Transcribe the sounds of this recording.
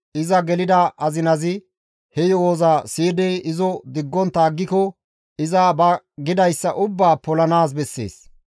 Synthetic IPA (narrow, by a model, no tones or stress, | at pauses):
ʔɪzɐɡɛlɪd̪ɐʔɐzɪnɐzɪ | hɛjɔwoːzaːsiːd̪ɛjɪzɔd̪ɪɡːɔnt̪ːaːɡːɪkɔ | ɪzɐbɐ | ɡɪd̪ɐjsːɐʔʊbːaːpɔlɐnaːs̬bɛsːḛːs